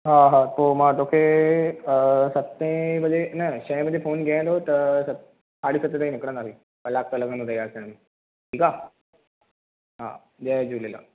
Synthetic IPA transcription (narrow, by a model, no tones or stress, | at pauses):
ɦãɦãt̪omat̪okʰe | sət̪ːẽməd̪ʱenəɕə̃j̃məd̪ʱːefoːnɡʱaãt̪ot̪əɾsət̪ | saɽiːsət̪ːẽt̪aĩnikɽə̃naɦi | əlaɡ̚t̪ələɡənɦot̪ajaːsəɽ̃mi | ʈʰiːka | ɦã̰ | d͡ʑɛd͡ʑuːlela̰